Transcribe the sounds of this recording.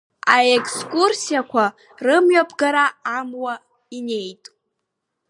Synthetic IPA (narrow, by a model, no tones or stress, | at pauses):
aekʰskʼursijakʷʰa | rɨmɥapʰʼɡaɾaːmwa | ine̞jtʼ